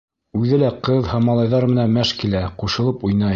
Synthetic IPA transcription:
ʉðɘlæqɤðhæmɑlˠɑjðɑɾmɘ̆nænmæʃkilæquʃɤ̆lˠɤpujnɑ

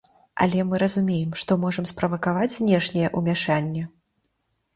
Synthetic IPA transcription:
ɐ̰lʲɛmɨɾɐzumʲejɛmʂt̪ɔmɔʐɐmspɾɐvɐkavad͡zʲzʲnʲɛʂnʲɛjɛʔumʲaʂanʲːɛ

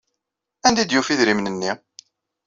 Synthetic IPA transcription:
ænd̪id̪jufiðɾimnənːi

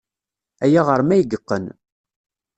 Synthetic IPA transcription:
æjaʁəɾmæjəɡəqːən

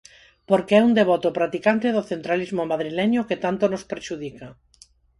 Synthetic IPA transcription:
poɾkeɛund̪eβɔt̪opɾat̪ikant̪eðoθent̪ɾalizmomaðɾilɛɲoket̪ant̪onospeɾʃuðika

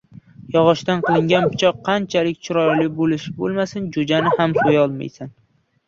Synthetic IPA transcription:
jɒʁɒʃt̪anqɨlˠɪŋɡʲanpɪ̥t͡ʃʰɒqʰːɑnt͡ʃʰalɪk̚ʲt͡ʃʰʊɾɒjlɪbolɪʃɪbolˠmasɪnd͡ʒod͡ʒanɪhamsojɒlˠma̰jsan

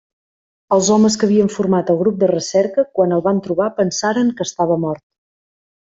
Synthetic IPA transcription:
əlˠzɔməs̬kəβiəɱfuɾmat̪əlˠɣɾup̚d̪ərəsɛɾkəkwanəlˠβant̪ɾuβ̞apənsaɾəŋkəːst̪aβəmɔɾt̪̚

